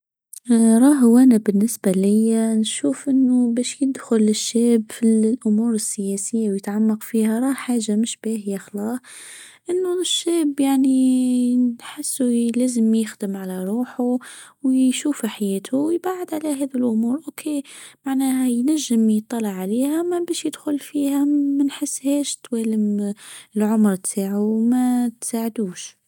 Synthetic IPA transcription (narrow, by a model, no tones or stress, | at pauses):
ɾˤɑːɦʊwʔæːnabɪnːɪsbalɪjːanʃuːfʔɪnːʊbæːʃjɪd̪xʊlɪʃːɛːbfilʔʊmuːɾɪsːɪjɛːsɪjːawjɪt̪ʕamːɑqfiːhaɾˤɑːhħaːʒamɪʃb̥æːhɪjaxlɑːh | ʔɪnːʊʃːɛːbjaʕni | ħɪsːulæːzəmjɪxd̪əmʕalæɾˤuːħuwʃuːfħajɛːt̪ʰʊwjbaʕɪd̪ʕalæɦɛːðilʔʊmuːɾʔokʰemaʕnæːhæjnæʒːəmjət̪ˤːɑlɑʕːaliːhæmæbæːʃjəd̪xʊlfiːhæmænħɪsːhɛːʃt̪wæːləmɪlʕʊmɾˤt̪ʰaːʕumæt̪saːʕd̪uːʃ